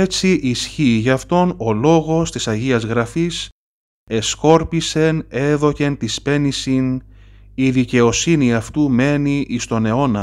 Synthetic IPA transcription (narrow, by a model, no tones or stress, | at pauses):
e̞t͡siʔisçiːʝɐft̪o̞no̞lo̞ɣo̞st̪isɐʝiɐzɣɾɐfis | e̞sko̞ɾpise̞ne̞ðo̞ce̞nt̪ispe̞nisin | iðice̞o̞siniɐft̪ume̞niʔist̪o̞ne̞o̞nɐ